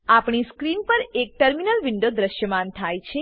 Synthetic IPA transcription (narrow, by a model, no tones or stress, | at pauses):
apɳiskɾinpəɾek̚ʈəɾminəlʋɪɳɖod̪ɾəʃjəmant̪ʰajt͡ʃʰe